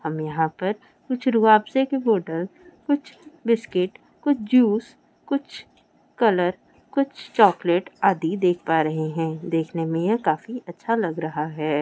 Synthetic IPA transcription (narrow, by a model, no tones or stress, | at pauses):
hɐmjɐɦãpɐɾ | kʊt͡ʃʰɾuaːbsekeboːʈəlkʊt͡ʃʰbɪskɪʈ | kʊt͡ʃʰd͡ʒuːs | kʊt͡ʃʰ | kɐləɾ | kʊt͡ʃʰt͡ʃɔːkleːʈaːd̪id̪eːkʰpaːɾɐɦeɦɛ̃ːd̪eːkʰnemẽjekaːfiʔɐtːʃʰalɐɡɾɐɦaɦɛː